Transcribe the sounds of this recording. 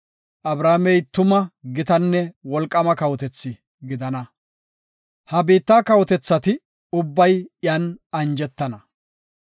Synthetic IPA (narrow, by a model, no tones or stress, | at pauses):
ʔɐbɾaːmɛjt̪ʊmɐɡɪt̪ɐnːɛwɔlkʼːɐmɐkɐwɔt̪ɛt͡sːɪ | ɡɪd̪ɐnɐ | hɐbiːt̪ːaːkɐwɔt̪ɛt͡sːɐt̪ɪ | ʊbːɐjjɐːnɐnd͡ʒɛt̪ːɐnɐ